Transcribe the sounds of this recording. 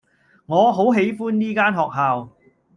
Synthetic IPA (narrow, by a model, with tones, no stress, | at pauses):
ŋɔː˨˧ɦo˨˥wɦe˨˥jfuː˥nːiː˥kaː˥nɦɔː˨k̚ɦaː˨w